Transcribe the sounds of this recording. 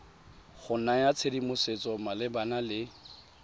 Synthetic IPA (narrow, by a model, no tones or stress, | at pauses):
χʊnajat͡sʰedimʊset͡sʼɔmalɪbanalɪ